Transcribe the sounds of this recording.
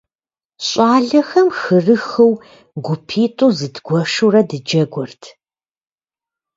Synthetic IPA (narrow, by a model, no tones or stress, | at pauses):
ɕʼaːɮɐxɐmxɨrɨxɨw | ɡʷʊpʰiːtʼuːzɨdɡ̥ʷɔʂurɐdɨd͡ʒɐɡʷɔrtʰ